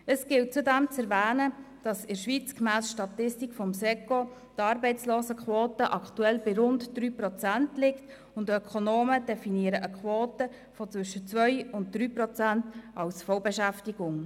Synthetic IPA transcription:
əsɡ̥ɪltt͡sudæmt͡sɛɾvæːnəd̥ɑsɪʃʋiːt͡skmæːsʃtɑtɪstikfɔmsɛko | tɑːɾbɛɪt͡sloːsəkʰʋoːtəʔɑktuɛlbɪɾʊndd̥ɾyːpɾɔt͡sæntlɪkt | ʊndœkʰonoːməd̥ɛfiniəɾəʔəkχʋoːtə | fɔt͡sʋʏʃət͡sʋœʏʊnt̚d̪̥ɾyːpɾɔt͡sæntɑwsfɔwbɛʃæftiɡ̥ʊŋ

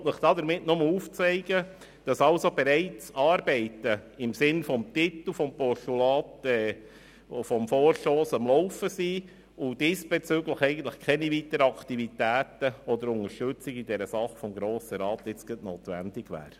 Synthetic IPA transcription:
tnəχd̥̪ɑːd̪əɾmɪtnʊməuːft͡sɛɪɡ̥ə | d̥ɑsɑlsobeɾɛɪt͡sɑːɾbɛɪtəɪmsɪnfɔmt̪itl̩ˠfɔmpɔʃtulɑːtɛː | fɔmfoːɾʃtoːsɑmlɔʊfəsiː | ʊd̥iːsb̥et͡sʏɡləχɛɪɡən̩tləχkʰɛnivitəɾɑkʰtivitæːtəɔd̪əɾʊnəɾʃtʏt͡sɪɡɪdɛɾəsɑχfɔmɡɾoːsəɾɑːt̪ɪt͡sɡ̥ətnoːt̪ʋæ̰ndɪɡ̥ʋæ̰ːɾ

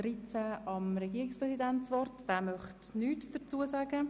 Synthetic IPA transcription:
ɾit͡sæɑmɾɛɡ̥iːɪkspʁɛsidɛntt͡sʋɔrtd̥ɛːmœχtnyːtd̥ət͡suːəsæɡə

